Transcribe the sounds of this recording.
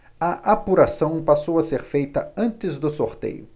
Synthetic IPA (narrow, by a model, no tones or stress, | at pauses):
ɐʔapuɾasɐ̃w̃pasowɐseɾfejt̪ɐɐ̃nt̪ɪzd̪ʊsoɾt̪ḛjʊ